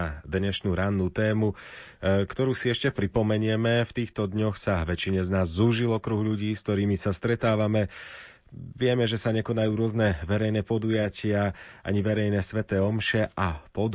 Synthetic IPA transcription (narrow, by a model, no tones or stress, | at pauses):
d̪ɲɛʃnuːɾanːuːt̪ɛːmu | kt̪ɔɾuːsiɛʃcɛpɾipɔmɛɲɪɛmɛft̪iːxt̪ɔd̪ɲɔxsaʋɛt͡ʃiɲɛznaːzːuʒilɔkɾuɣʎuɟiːsk̚t̪ɔɾiːmisast̪ɾɛt̪aːʋamɛ | ʋɪɛmɛʒɛsaɲɛkɔnajuːɾʊɔznɛʋɛɾɛjnɛpɔd̪ujacɪaʔa̰ɲiʋɛɾɛjnɛsʋɛt̪ɛːɔmʃɛʔapɔd̪